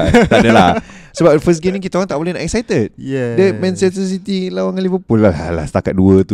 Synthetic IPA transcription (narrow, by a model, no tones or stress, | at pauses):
t̪adəla | səbap̚fəs̬ɡenĩŋk̬it̪aoaŋt̪aʔbolɛnɔʔɛksajt̪əd̚jɛdəmɛ̃nsɛs̬əs̬it̪ilawaŋãlibəpullalala̰hsət̪akat̪̚duət̪u